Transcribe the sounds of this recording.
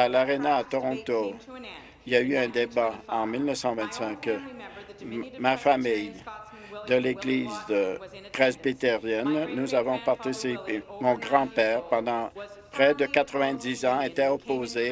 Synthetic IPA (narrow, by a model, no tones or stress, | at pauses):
alaʁenaːt̪ɔʁɔ̃t̪o | iljayɛ̃d̪ebaɑ̃milnəfsɑ̃vɛ̃t̪sɛ̃k | mafamij | d̪əleɡliːz | t̪ʁezbit̪eʁjɛnːuzavɔ̃paʁt̪isipemɔ̃ɡʁɑ̃pɛːʁpɑ̃d̪ɑ̃pχɛd̪əkat̪ʁəvɛ̃d̪izɑ̃et̪ɛɔpoze